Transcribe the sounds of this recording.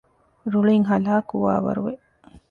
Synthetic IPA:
ɾuɭiŋɦɐlaːkuʋa̰ːʋɐ̰ɾuʋe

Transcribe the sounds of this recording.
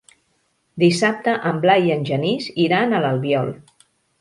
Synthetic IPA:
d̪isap̚t̪əʔəmblajənʲʒəniziɾanələlˠβjɔlˠ

